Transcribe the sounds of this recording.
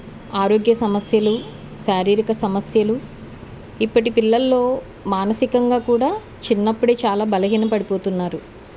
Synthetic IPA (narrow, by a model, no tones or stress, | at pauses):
aːɾo̞ːɡjɐsɐmɐsjɐlu | ʃaːɾiːɾikɐsɐmɐsjɐlu | ipːɐʈipilːɐlːo̞ː | maːnɐsikɐŋɡaːkuːɽaː | t͡ʃinːɐpːuɽe̞ːt͡ʃaːlaːbɐlɐɦiːnɐpɐɽipo̞ːt̪unːaːɾu